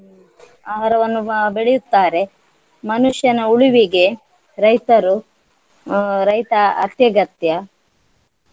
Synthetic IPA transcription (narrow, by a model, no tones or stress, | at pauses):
aːɦɐɾɐʋɐnːubeɭijut̪ːaːɾe̞ | mɐnuʂjɐnɐuɭiʋiɡe̞ | ɾɐjt̪ɐɾu | ɾɐjt̪ɐɐ̰t̪jɐɡɐt̪jɐ